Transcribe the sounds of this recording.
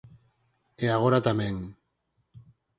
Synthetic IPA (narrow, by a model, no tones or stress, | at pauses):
eaɣ̞oɾat̪ameŋ